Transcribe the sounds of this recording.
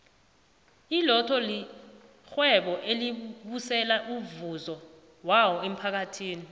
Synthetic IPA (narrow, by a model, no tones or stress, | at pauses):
ilɔtʰɔli | xwɛɓɔʔeliɓusɛlaʔuvuzɔ | wawɔem̩pʰak̬atʰiːni